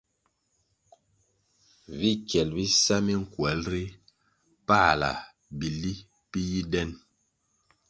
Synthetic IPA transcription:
vi˦kjɛ˨lbi˦sa˦mi˦ŋ̩˨kwɛ˨˦lɾi˦ | pa˦˨la̰˨ | bi˨li˦ | pi˦ji˦dɛ˦n

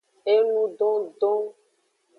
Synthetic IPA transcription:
e˦nũ˦ɖɔ̃˦ɖɔ̃˦

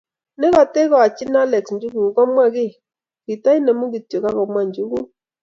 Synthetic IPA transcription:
nɪ˦kɔ˨te˦ɣɔ˨a˨t͡ʃɪ˦na˦lɛ˨ksɲd͡ʒu˦ɡu˨ŋ˨kɔ˦mwa˦kɪ˦˨ | ki˨ta˦i˦nɛ˨mu˦ki˨tjo˨ka˦kɔ˨mwa˦ɲd͡ʒu˦ɣu˦

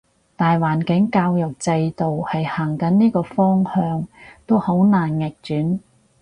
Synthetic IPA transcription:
t̪aː˨jwaː˨˩nkɪ˨˥ŋkaː˧wjɐ˨k̚t͡sɐ˧jt̪o˨whɐ˨jhaː˨˩ŋkɐ˨˥nniː˥kɔː˧fɔː˥ŋhœː˧ŋt̪o˥who˨˥wnaː˨˩nŋɪ˨k̚t͡ʃyː˨˥n

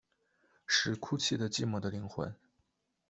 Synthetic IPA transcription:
ʂɻ̩˧˩kʰu˥˧t͡ɕʰi˥˩d̪ə˩t͡ɕi˥˩mɔ˧˥d̪ə˧li˧˥ŋxwa̰˧˥n

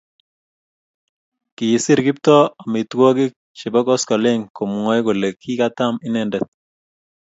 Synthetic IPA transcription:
kɪ˨jɪ˨sɪ˦ɾkɪ˦p̚tɔ˦a˨mɪ˨t̪kwɔ˦kɪ˦k̚t͡ʃɪ˨bɔ˦kɔ˦skɔ˨le˦ŋko˨mu˨ŋɔ˦jko˨le˨kʰːi˦ka˦ta˦mɪ˦nɛndɛt̪̚

